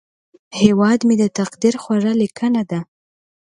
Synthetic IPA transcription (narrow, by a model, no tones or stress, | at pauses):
hewɑd̪med̪ət̪aqd̪iɾxwaɾalikʰənad̪a